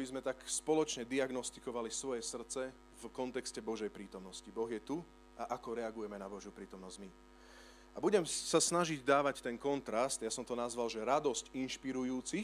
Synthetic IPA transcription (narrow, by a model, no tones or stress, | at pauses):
bizmɛt̪akspɔlɔt͡ʃɲɛd̪iaɡnɔst̪i̥kɔʋalisʋɔjɛsr̩t͡sɛ | vkɔnt̪ɛkscɛbɔʒɛjpɾiːt̪ɔmnɔscibɔɣjɛt̪u | aʔakɔɾɛaɡujɛmɛnabɔʒjupɾiːt̪ɔmnɔzɟmi | abuɟɛmsasnaʒiɟd̪aːʋact̪ɛnkɔnt̪ɾast̪jasɔmt̪ɔnazʋalʒɛɾad̪ɔscinʃpiɾujuːt͡si